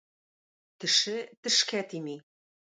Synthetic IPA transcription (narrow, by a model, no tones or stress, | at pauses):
t̪ɘ̆ʃɘ̆t̪ɘ̆ʃkæt̪imi